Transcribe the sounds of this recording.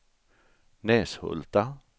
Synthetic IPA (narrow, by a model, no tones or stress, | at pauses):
neːshɵ̰lt̪a